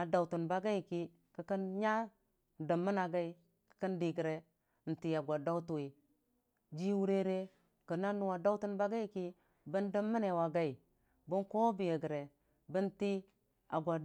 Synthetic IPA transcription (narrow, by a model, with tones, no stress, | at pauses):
a˨da˨wtu˨nba˦ɡa˦i˨ki˦ | kə˨kə˦nɲa˦˨ | də˨mːə˦na˨ɡa˦i˨ | kə̥˨kə˦ndi˨ɡə˨ɾe˨ | n̩˨ti˨a˨ɡʷa˨da˦u˦tu˨i˨ | d͡ʒi˦wu˦ɾe˦ɾe˦ | kə˨na˦nu˨wa˨da˦u˦tu˦nba˦ɡa˦i˨ki˦ | bə˦ndə˦mːi˦ne˨wa˨ɡa˦i˨ | bə˦nko˦bi˨je˨ɡə˨ɾe˨ | bə˦nti˦ | a˨ɡʷa˨